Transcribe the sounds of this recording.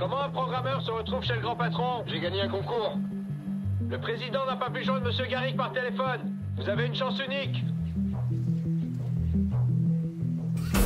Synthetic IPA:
kɔmɑ̃ɛ̃pχɔɡʁamœʁsəʁət̪χuvʃeləɡʁɑ̃pat̪χɔ̃ʒeɡaɲeɛ̃kɔ̃kuːʁ | ləpχezid̪ɑ̃napapyʒwɛ̃d̪ʁməsjøɡaʁik̚paʁt̪elefɔn | vuzaveynʃɑ̃synik

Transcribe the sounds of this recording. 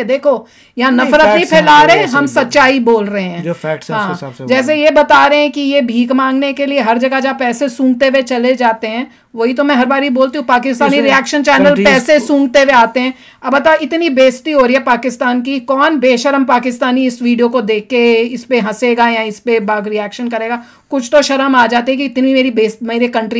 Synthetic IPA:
d̪eːkʰo | jɐɦãnɐfɾət̪nĩpʰɛːlaːɾɐɦɛ̃ɦɐmsɐtːʃaːiboːlɾɐɦẽɦɛ̃ːɦãːd͡ʒɛːs̬ejebɐt̪aːɾɐɦɛ̃kijebʱiːkmãːŋɡnekelieɦɐɾd͡ʒɐɡad͡ʒapɛːsesũːŋɡ̚t̪eʋet͡ʃɐled͡ʒaːt̪eɦɛ̃ː | ʋoːɦit̪̬omɛ̃ɦɐɾbaːɾiboːlt̪iɦũpaːkɪst̪aːniɾiɛːkʃənt͡ʃɛːnəlpɛːsesũːŋɡt̪eʋeaːt̪eɦɛ̃ː | ɐbbɐt̪aɪt̪nibeːst̪iɦoːɾiɦɛpaːkɪst̪aːnkikɔːnbeːʃəɾəmpaːkɪst̪aːniɪsʋiːɖijokod̪eːkːeɪspeɦɐseːɡajãɪspebaːɡɾiɛːkʃənkɐɾeːɡaː | kʊt͡ʃʰt̪oʃɐɾəmaːd͡ʒaːt̪iɦɛ̃k̬iɪt̪niimeːɾibeːsmeːɾekɐ̃ɳʈɾi

